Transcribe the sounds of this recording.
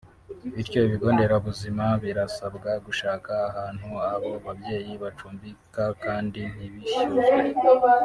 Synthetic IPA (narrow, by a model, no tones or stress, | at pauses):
βiɾco̞iβiɡo̞ːnde̞ɾaβuzimaβiɾasabɡaɡuʃaːkaːɦaːn̥huaβoβaβje̞ːjiβat͡ʃuːmbikakaːndin̥iβiʃu